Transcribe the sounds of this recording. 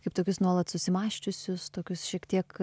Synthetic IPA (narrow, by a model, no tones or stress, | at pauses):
kɐɪpt̪oːkʲʊsnuɔlˠɐt̪sʊsʲɪmɑːʃʲt͡ʃʲʊsʲʊst̪oːkʲʊsʃʲiɛkt̪ʲiɛk